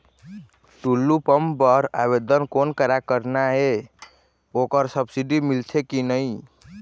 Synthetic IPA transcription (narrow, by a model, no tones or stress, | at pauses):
ʈulːupəmpəɾaβed̪ənkonkəɾakəɾnaɦe | okəɾsəbsiɖimilt͡ʃʰekinəj